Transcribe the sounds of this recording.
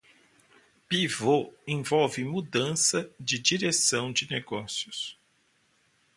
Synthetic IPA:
pivoẽvɔwvɪmud̪ɐ̃sɐd͡ʒɪd͡ʒiɾesɐ̃w̃d͡ʒɪneɡɔsiʊs

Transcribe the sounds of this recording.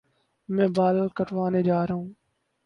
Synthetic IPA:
mẽːbaːləlkəʈʰʋaːneːd͡ʒaːɾəɦũː

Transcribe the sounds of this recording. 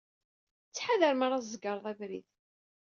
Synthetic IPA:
t͡sːħaðəɾmaɾˤazəɡɑɾˤðˤævɾḭð

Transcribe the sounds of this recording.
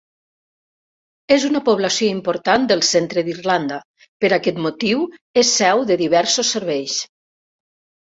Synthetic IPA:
ezunəpoβlasioimpoɾt̪and̪əlˠsent̪ɾəðirland̪ə | pəɾakɛt̪mut̪iwesːɛwðəðiβɛɾsosːəɾβɛjs

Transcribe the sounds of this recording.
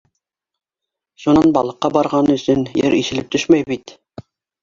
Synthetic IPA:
ʃunɑnbɑlˠɤ̆qːɑbɑɾʁɑnɤɵ̆sɵnjɘ̰ɾiʃɘ̆lɘp̚t̪ɵʃmæjbit̪

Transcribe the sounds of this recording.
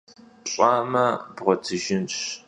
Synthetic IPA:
ɕʼaːmɐbʁʷɔtʰɨʒɪnɕ

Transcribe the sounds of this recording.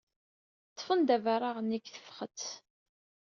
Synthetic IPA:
t̪ˤːfənd̪ævaɾˤaʁniɡθə̥fχət͡s

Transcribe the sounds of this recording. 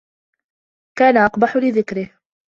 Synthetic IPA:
kaːnaʔɑqbɑħʊlɪðɪkɾɪh

